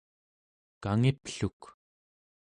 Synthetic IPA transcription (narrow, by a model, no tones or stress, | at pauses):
kaŋipɬuk